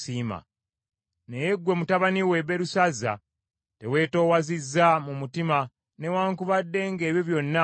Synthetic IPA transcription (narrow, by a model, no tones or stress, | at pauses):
siːma̰ | nejeɡwe̞mutaβaniwe̞βe̞ɾusaza̰ | te̞we̞ːto̞ːwazizːamumutima | ne̞waːŋkuβadːe̞ːŋɡe̞ːβjoβjo̞nːa